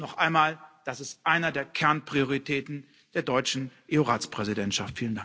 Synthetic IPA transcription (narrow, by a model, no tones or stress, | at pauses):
nɔχʔaɪnmaːld̥asɪstʔaɪnɐdeːɐkʰɛɐnpʁ̥ioʁitʰɛːtn̩ | d̥eːɐdɔʏt͡ʃn̩ʔeoʁaːt͡spʁ̥ɛzidɛntʃaftfiːlənda